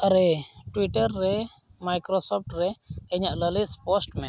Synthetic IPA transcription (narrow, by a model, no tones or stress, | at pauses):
əɾeʈwiʈəɾːɛ | majkɾosɔp̚ʰʈɾɛɛɲaʔləlispɔsʈmɛ